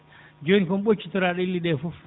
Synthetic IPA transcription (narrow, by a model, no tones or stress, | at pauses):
d͡ʒonikɔmɓot͡ʃːitɔɾaɗɔilːiɗɛfuf